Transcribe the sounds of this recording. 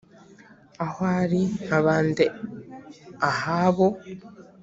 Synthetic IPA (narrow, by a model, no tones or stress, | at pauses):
ahwaːɾiaβaːnde | ahaβo